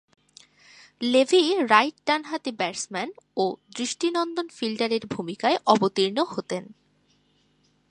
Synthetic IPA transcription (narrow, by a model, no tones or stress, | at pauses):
levʱiɾajʈ̚ɖanɦat̪ebɛɾsmɛnod̪ɾiʃʈinɔnd̪onfilɖaɾeɾbʱumikaeʔɔbot̪iɾnohot̪en